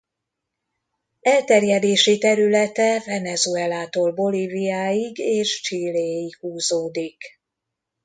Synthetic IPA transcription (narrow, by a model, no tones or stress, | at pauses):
ɛlt̪ɛrjɛd̪eːʃit̪ɛɾylɛt̪ɛvɛnɛzuɛlaːt̪oːlbo̞livijaːjiɡeːʃt͡ʃiːleːjikhuːzoːd̪ik